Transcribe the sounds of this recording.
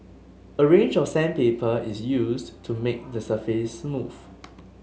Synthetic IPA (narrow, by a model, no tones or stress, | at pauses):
əɹẽnd͡ʒɔfsɛ̃npepʰəisjustʰumek̚dəsəfesmuv̥